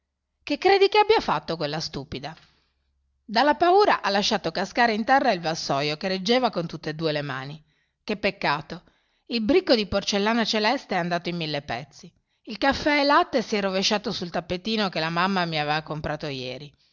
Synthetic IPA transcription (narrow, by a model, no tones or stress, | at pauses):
kekːɾeːd̪ikeabːiafat̪ːokwelːast̪uːpid̪a | d̪alːapauːɾaʔalːaʃːaːt̪okaskaːɾeint̪ɛrːailvasːɔjokered͡ʒːeːvakont̪ut̪ːed̪uːelema̰ːni | kepːekːaːt̪o | ilbɾikːod̪iport͡ʃelːaːnat͡ʃelɛst̪eɛand̪aːt̪oimːilːepɛt̪sːi | ilkafːɛɛlat̪ːesiɛrːoveʃːaːt̪osult̪apːet̪iːnokelamamːamiaveːvakompɾaːt̪ojɛːɾi